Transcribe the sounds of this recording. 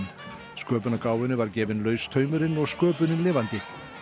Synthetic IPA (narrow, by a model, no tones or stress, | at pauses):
skœːpʏnakaːwvɪnʏvaɾcɛːvɪnlœːɥst̪ʰœːɥmʏɾɪnɔɣskœːpʏnɪnlɪːvant̪ɪ